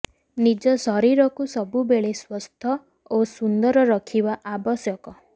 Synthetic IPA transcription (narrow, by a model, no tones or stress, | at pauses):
nid͡ʒɔsɔɾiɾɔkusɔbubeɭeswɔst̪ʰɔ | osund̪ɔɾɔɾɔkʰibaʔabɔsjɔkɔ